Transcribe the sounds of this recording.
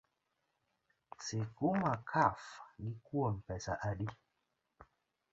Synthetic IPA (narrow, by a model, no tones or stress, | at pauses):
sekumakʰafɡikuom̩pɛsaʔadi